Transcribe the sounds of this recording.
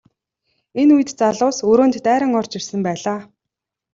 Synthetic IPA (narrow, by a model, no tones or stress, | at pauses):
enujɘ̆t̪t͡saɮʊːsɵɾoːnt̪ːæːɾə̆ŋɔr̥t͡ɕirsɘ̆mpæːɮaː